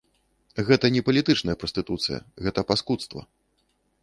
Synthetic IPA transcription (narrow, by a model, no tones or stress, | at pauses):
ɣɛt̪ɐnʲɛpɐlʲit̪ɨt͡ʂnɐjɛpɾɐsʲt̪ɨt̪ut̪sɨjɐ̰ɣɛt̪ɐpaskut̪st̪vɐ̰